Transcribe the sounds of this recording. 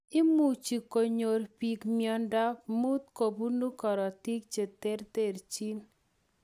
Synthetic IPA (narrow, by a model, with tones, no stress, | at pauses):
ɪ˦mu˨t͡ʃi˨ko˨ɲo˨ɾpi˨kmjɔ˦nda˦mu˦t̪̚ko˨bu˦nu˦kɔ˨ɾɔ˨ti˦k̚t͡ʃe˨t̪e˦ɾt̪e˨ɾt͡ʃi˦n